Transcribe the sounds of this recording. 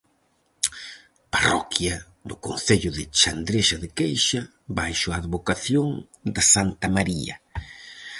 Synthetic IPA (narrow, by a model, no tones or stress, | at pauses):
parɔ̰kjɐ | d̪ʊkõnθeʎʊðɪt͡ʃand̪ɾeʃaðɪkejʃɐ | bajʃʊaðβokaθjoŋ | d̪asant̪ɐmaɾiɐ̰